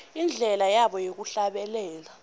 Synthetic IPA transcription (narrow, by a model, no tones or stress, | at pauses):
ind͡ɮʱɛlajaɓɔjek̬uɬaɓɛlɛːla